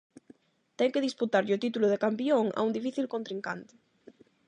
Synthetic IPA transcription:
t̪ɛŋkeðisput̪aɾʎot̪it̪uloðekampioŋa̰und̪ifiθilkont̪ɾiŋkant̪e̥

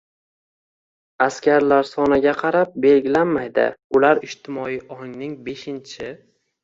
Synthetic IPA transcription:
askʲaɾlaɾsɒnaɡʲaqʰɑɾap̚be̞lɡʲɪlanmajd̪ɪ̰ʊlaɾɪʃt̪ʰɪmɒijʔɒŋnɪŋbe̞ʃɪnt͡ʃʰɪ

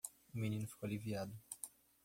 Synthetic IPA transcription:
ʊmĩnĩnʊfi̥kowaliviad̪ʊ

